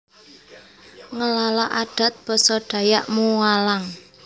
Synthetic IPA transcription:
ŋəlalaʔaɖ̥a̤t̪̚b̥ɔ̤sɔɖ̥ä̤jaʔmuwalaŋ

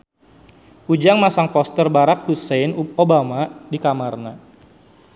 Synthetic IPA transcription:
ʔud͡ʒaŋmasaŋpɔst̪ərbaɾak̚husɛjnobamadikamarna

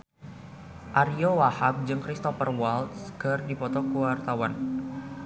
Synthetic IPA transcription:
ʔaɾiowahak̚d͡ʒɨŋkɾist̪ɔfərwalt̪skərdipɔt̪ɔkuwart̪awan

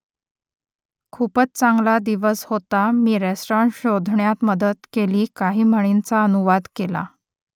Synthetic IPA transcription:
kʰupət͡st͡saŋɡlad̪iʋəshot̪amiːɾesʈɔɳɕod̪ʱɳjat̪məd̪ət̪keliːkaɦiːm̤əɽint͡saənuʋad̪kela̰

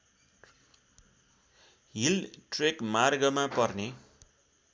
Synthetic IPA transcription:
ɦilʈrekmarɡʌmapʌrne

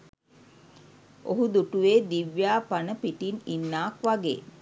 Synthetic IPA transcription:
ʔoɦud̪uʈuʋeːd̪iʋjaːpanəpiʈininːaːkʋaɡḛː

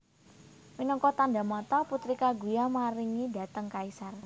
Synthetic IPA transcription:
minɔŋkɔt̪anda̤mɔt̪ɔput̪ɾikaɡujamaɾiŋida̤t̪əŋkaisar

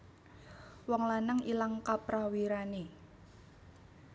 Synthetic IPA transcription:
wɔŋlanəŋilaŋkapɾawiɾane

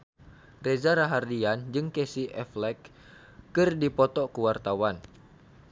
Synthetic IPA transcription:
rezaɾaɦardiand͡ʒɨŋkesiʔɛflɛkː | ɨrdipɔt̪ɔkəwart̪awan

